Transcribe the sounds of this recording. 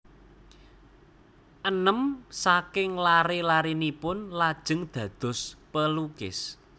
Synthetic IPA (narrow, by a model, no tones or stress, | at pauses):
ʔənəmsakɪŋlaɾelaɾinipʊnlad̥ʒ̥ə̤ŋd̪̥ä̤d̪̥ʊ̤spəlukɪs